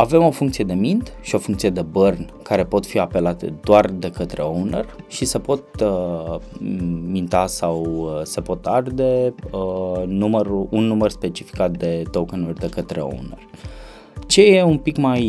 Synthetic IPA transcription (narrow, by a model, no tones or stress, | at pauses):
ave̞mo̞fuŋk̚t̪sije̞d̪e̞mint̪ʃio̞fuŋk̚t̪sije̞d̪e̞bərn | kaɾe̞po̞t̪fiape̞lat̪ḛd̪oard̪e̞kət̪ɾe̞ownə̰rʃise̞po̞t̪ə | mint̪asawse̞po̞t̪ard̪e̞ənuməɾuunːumərspe̞t͡ʃifi̥kat̪̚d̪e̞t̪okənurʲd̪e̞kət̪ɾe̞̰o̰wnerʲ | t͡ʃe̞je̞umpikmaj